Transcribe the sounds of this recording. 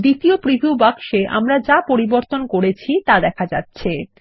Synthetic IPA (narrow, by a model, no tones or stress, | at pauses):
d̪it̪iopɾibʱubakʃeʔa̰mɾad͡ʑapoɾiboɾt̪onkoɾet͡ɕʰit̪ad̪ɛkʰad͡ʑatːɕʰe